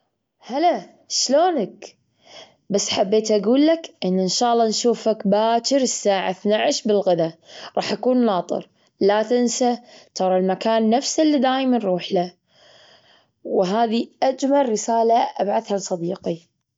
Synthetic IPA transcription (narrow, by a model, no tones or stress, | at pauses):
hala | ʃloːnak | basːħabːeːt̪ʔaɡuːlːakʔɪnːʔɪnʃaːʔlˤːɑnʃuːfakbaːt͡ʃɪɾɪsːaːʕa̰θnaʕɪʃbɪlɣɪðaɾˤɑːħʔakuːnːɑːt̪ˤɨ̰ɾ | lat̪ɪnsat̪ɑɾˤɑlmakaːnːafsalːid̪aːjmanɾˤuːħla | wɦaːðiʔad͡ʒmalˤːɪsaːlaʔa̰bʕaθhalsˤɑd̪iːqi